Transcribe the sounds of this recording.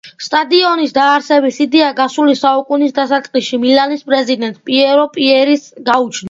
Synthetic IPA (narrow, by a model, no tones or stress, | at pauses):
st̪ʼad̪iɔnisd̪aːɾsɛbisid̪ɛaɡasulisaukʼunisd̪asat̪sʼqʼliʃimilanispʼɾɛzid̪ɛnt̪ʼpʼiɛɾɔpʼiɛɾisɡaut͡ʃʰn